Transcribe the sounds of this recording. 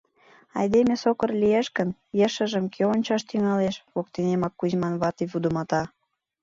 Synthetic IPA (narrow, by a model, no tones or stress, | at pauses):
ɑ̰jd̪emʲesokərlʲijeʃkənjəʃə̆ʒəmkʰeonʲt͡ɕɑʃt̪yŋɑleʃβok̚t̪enemɑkːuzmɑnβɑt̪iβud̪əmɑt̪ɑ